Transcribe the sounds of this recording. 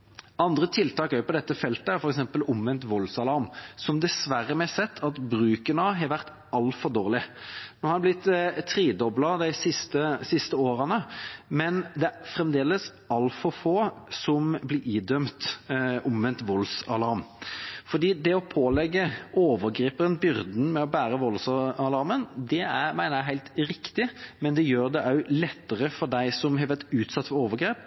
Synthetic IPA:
ɑnd̪ɾət̪ʰɪlt̪ɑːkæɾjʊpɔd̪ɛt̪ːəfɛlt̪əæɾfɔɾɛksɛmpəlʊmʋɛnt̪ʋɔlsɑlɑɾmsɔmd̪ɛsʋæɾəmɛsɛt̪ʰːɑt̪bɾʉːkənɑɦɑɾʋæʁt̪ | ɑlfɔʁd̪oːʁlɪnoːhɑd̪ɛblɪt̪ːt̪ʰːɾiːd̪ɔblɑd̪æɪsɪst̪əsɪst̪əoːɾənəmɛnd̪ɛæɾfɾɛmd̪eːləs | ɑlfɔɾfoːsɔmblɪɾiːd̪œmt̪ʔɔmʋɛnt̪ʋɔlsɑlɑɾmfɔd̪iːd̪ɛɔpʰoːlɛɡːəoːʋəɾɡɾeːpənbʏɾd̪n̩mɛɔbæːɾəʋɔlsɑlɑɾmənd̪ɛæmæɪnəjæɪɦæɪlt̪ɾɪkt̪ɪmɛnd̪ɛjøːɾd̪ɛʔɑʉlɛt̪ːəʁəfɔɾd̪æɪsɔmɦɛʋɛt̪ʉːt̪sɑt̪ːfɔoːʋəɾɡɾeːp

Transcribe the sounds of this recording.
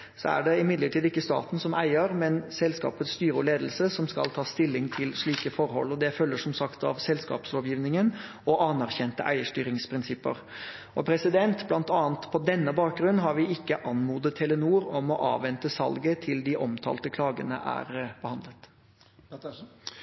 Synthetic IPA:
sɔ̰æ̰ɖɛɪmɪd̪ləʈʰiːd̪ɪkːəst̪ɑ̰ːt̪n̩sɔmʔæɪəɾmɛnsɛlskɑ̰ːpət̪st̪yːɾəleːd̪əl̩səsɔmskɑ̰lt̪ʰɑːst̪ɪlːɪŋt̪ʰɪlʂɭiːkəfɔɾhɔ̰lːɔd̪ɛfœlːəʂɔmsɑkt̪ɑ̰ʋsɛlskɑ̰ːpsloːʋjiːʋnɪŋən | ɔʔɑnæɾçɛnt̪əʔæɪəʂʈyːɾɪŋspʰɾɪnsɪpːə̰ɾ | ʔɔpʰɾɛsɪd̪ɛnt̪blɑnt̪ɑːənt̪pʰɔd̪ɛnːəbɑːk̚ɡɾʉnːɦɑɾʋɪɪkːəʔɑnmuːd̪ət̪ʰːɛlənuːɾɔmɔʔɑ̰ːʋɛnt̪əsɑ̰lɡət̪ʰɪld̪ɪʔɔmt̪ʰɑ̰ːlt̪əkʰlɑːɡə̰nə̰ʔæ̰ɾb̥əhɑnd̪lət̪

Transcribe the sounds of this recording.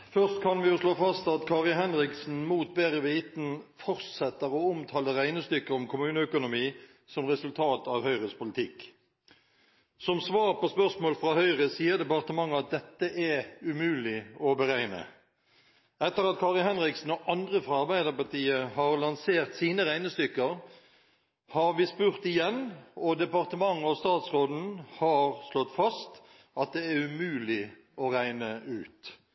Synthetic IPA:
fœʁst̪kʰɑnʋɪjʊsloːfɑst̪ɑt̪kʰɑːʁɪɦɛnʁɪksn̩muːt̪̚beːʁəʋiːt̪n̩fɔʁtsɛt̪ːəʁɔʊmt̪ʰɑːləʁæɪnəst̪ʏkːəɾɔmkʰʊmʉːnəœkʊnʊmiː | sɔmʁɛsʉlt̪ʰɑːt̪ɑʋhœʏʁəspʊlɪt̪ʰɪk | sɔmsʋɑːʁpospœʁsmoːlfʁɑːhœʏʁəsiːəɾd̪ɛpɑʁt̪əmɑŋːəɑt̪̚d̪ɛt̪ːəʔɛʉmʉːlɪɔbəʁæɪnə̰ | ɛt̪ːəʁɑt̪̚kʰɑːʁɪlhɛnʁɪksn̩ɔʔɑnd̪ʁəfɾɑɑɾbæɪd̪əpɑʁt̪iːəhɑʁlɑnseːʁt̪siːnəʁæɪnəst̪ʏkːəʁ | hɑɾʋiːspʉʁt̪ɪjɛnːɔd̪ɛpɑʁt̪əmɑŋːɔst̪ɑːt̪sʁoːd̪n̩hɑːʁslɔt̪ːfɑst̪ | ɑt̪̚d̪ɛæɾʉmʉːlɪ | ɔʁæɪnəʉːt̪

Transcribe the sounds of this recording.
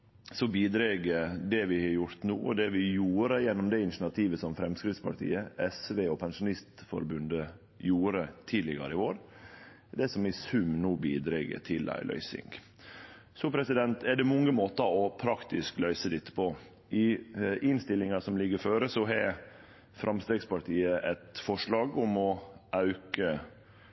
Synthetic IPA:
sɔbiːd̪ɾeːɡəd̪ɛʋɪhɑjʊɾt̪nuːɔ̰d̪ɛʋɪjuːɾəjɛnːɔmd̪ɛɪnʂnɑt̪ʰiːʋəsɔmfɾɛmskɾɪt̪spʰɑ̰ʈʰḭːəɛsʋeːɔpʰɛnʂʊnɪst̪fɔ̰ɾbʉnd̪ə | juːɾət̪ʰiːd̪lɪɡɑ̰ɾəɪʋoːɾ | d̪ɛsɔmɪsʉmnuːbiːd̪ɾeːɡə̰t̪ʰɪlæ̰ɪlœ̰ʏsɪ̰ŋɡ | sɔpʰɾɛsɪd̪ɛnt̪ɛɖɛmʊŋːəmoːt̪ɑɾɔpʰɾɑkt̪ɪsklœʏsəlɪt̪ːə̥pʰɔ | ʔɪʔɪnst̪ɪlːɪŋɑsɔmlɪɡəɾføːɾəsɔɦɛ | fɾʔɑmst̪eːɡspɑʈʰiːəʔɛt̪fɔʂɭɑːɡɔmɔʔɑʉkə

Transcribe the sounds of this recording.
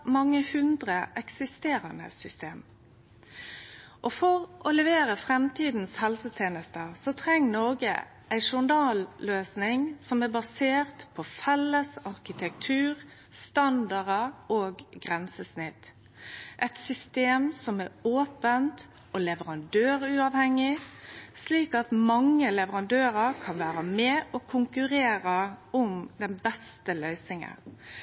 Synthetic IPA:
mɑŋːəhʉnd̪ʁəʔɛksɪst̪eːɾənə̰sʏst̪eːm | ʔɔfɔʁʔɔlɛʋeːɾəfʁɛmt̪ʰiːd̪n̩shɛlsət̪ʰeːnəst̪əsɔt̪ʰɾɛŋːnoɡə̰ | ʔæɪʃʊɳd̪ɑːlːøːsnɪŋsɔmæbɑseːʁt̪pʰɔfɛlːəsɑʁkɪt̪ʰɛk̚t̪ʰʉːʁ | st̪ɑnd̪ɑʁəʔoːɡɡʁɛnsəsnɪt̪ | ʔɛt̪sʏst̪eːmsɔmɛoːpənt̪ | ɔlɛʋəɾɑnd̪øːɾʉɑʋhɛŋːɪsliːkɑt̪mɑŋːəlɛʋəɾɑnd̪øːɾəɾkʰɑnʋæːɾəmɛʔɔkʰʊŋkʉɾeːɾəʔʊmd̪ɛnbɛst̪əlœʏsnɪŋə̰n

